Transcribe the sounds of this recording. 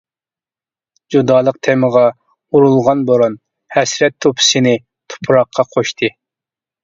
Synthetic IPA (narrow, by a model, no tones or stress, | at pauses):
d͡ʒud̪ɑːlˠəq̚t̪ʰɛməʁɑ | uɾulˠʁɑnboɾon | hɛsɾɛt̪ʰːopʰɪ̥sɨnɪ | t̪ʰu̥pʰɾɑqʰːɑqʰoʃt̪ʰɨ